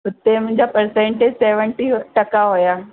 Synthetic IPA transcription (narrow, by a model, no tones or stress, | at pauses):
ɦʊt̪emʊ̃ɦɪ̃ɲd͡ʑapəɾsẽːɳʈed͡ʑseːʋəɳʈiʈɐkaɦojaː